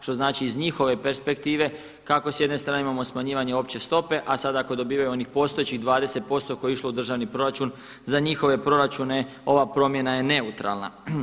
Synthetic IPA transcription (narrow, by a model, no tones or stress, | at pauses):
ʃt̪o̞znaːt͡ʃiːzɲixo̞ʋe̞pe̞ɾspe̞kt̪iːʋe̞ | kako̞sje̞d̪nest̪ɾaːneimamosmaɲiːʋaɲe̞o̞pt͡ɕe̞st̪o̞pe̞ʔasad̪ako̞d̪o̞biːʋajuo̞nixpo̞st̪o̞jet͡ɕiɣd̪ʋaːd̪e̞se̞t̪̚po̞st̪o̞kojeiʃlo̞ud̪r̩ʒaʋnipɾo̞ɾat͡ʃun | zaɲixo̞ʋe̞pɾo̞ɾat͡ɕune̞ | o̞ʋapɾo̞mje̞naje̞ne̞ut̪ɾa̰lˠna̰